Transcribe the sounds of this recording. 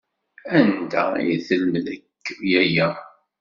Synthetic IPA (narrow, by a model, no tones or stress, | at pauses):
ænd̪æ̰ḭθəlːðəkːjæjæ